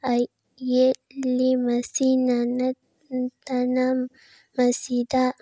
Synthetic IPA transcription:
a | jellimasinana | t̪ana | masid̪a

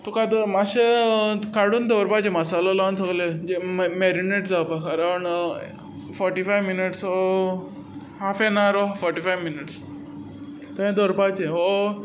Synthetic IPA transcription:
t̪ukad̪maɕekaɽuːnd̪ɔɾpat͡ɕeməsalalansoɡled͡ʑemeɾineʈd͡zawpakʰaɾaəɳ | fɔɾʈifajʋminiʈs | ɦafenaɾofɔɾʈifajʋminiʈs | t̪əɦẽd̪oɾpat͡ɕeo

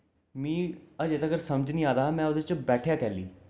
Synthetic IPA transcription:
mĩːəd͡ʒeːt̪aːkəɾsəməd͡ʒniːaːd̪aːmɛ̃ːʊd̪et͡ʃbɛːʈʰjaːkɛːlḭː

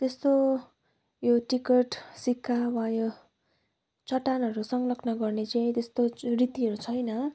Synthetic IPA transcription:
t̪est̪o | joʈikʌʈsikʰːawajo | t͡sʌʈanʌɾusʌŋlʌkʰnʌɡʌrnet͡saĩt̪est̪orit̪iɦʌɾut͡sʰʌjnʌ

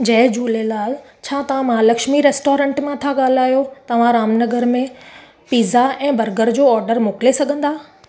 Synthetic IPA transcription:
d͡ʑɐɦɪd͡ʑuːlelaːl | t͡ɕʰaːt̪ɐʋ̤ãmaːlɐkʃmiɾeːsʈɔːɾə̃ːɳʈmãt̪ʰaɠaːl̤aːjot̪ɐʋ̤ãɾaːmnɐɡəɾmẽ | piːzaɛ̃ːbɐɾɡəɾd͡ʑoːɔːɾɖəɾmoːklesɐɡʱə̃nd̪aː

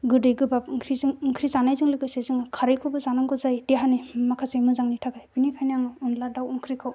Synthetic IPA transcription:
ɡɯdɯjɡɯbap̚ŋkʰɾizɯŋŋkʰɾizanajzɯŋlɯɡɯsezɯŋɯkʰaɾɯjkʰɯbɯzanaŋɡɯzajdeɦanemakʰasɯjmɯzaŋnitʰaɡʰajbinikʰajnaŋɯunladawuŋkʰɾikʰɯw

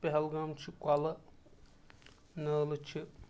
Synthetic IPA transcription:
peɦɐlɡɐmt͡ʃʰikʷwalɐ | nəːlɐt͡ʃʰi

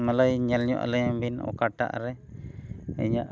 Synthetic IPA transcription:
maləjɲɛlɲɔ̰ʔa̰ləjambinɔ̰kaʈa̰ʔɾɛ | ə̰ɲaʔ

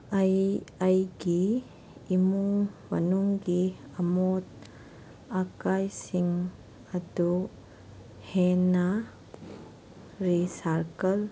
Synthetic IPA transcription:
ajajɡiː | muŋmɐnuŋɡi | ɐmot̚ | akajsiŋ | ɐdu | hena | ɾisaɾkɐl

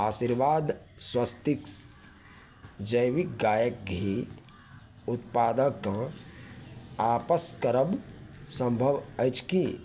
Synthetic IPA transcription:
aːsiɾʋaːd̪ | swəst̪iks | d͡ʒəjʋik̚ɡaːjək̚ɡʱi | ʊt̪̚paːd̪əkːã | aːpəskəɾəbsə̃mbʱəʋəjt͡ʃki

